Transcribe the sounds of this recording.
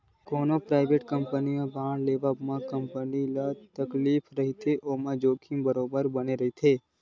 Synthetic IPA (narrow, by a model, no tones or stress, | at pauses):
konopɾajʋeʈkəmpəniobʱãɽleʋamãkəmpənilat̪əklifɾəɦit̪ʰeʔomãd͡ʒokʰĩmbəɾobəɾbəneɾəɦit̪ʰe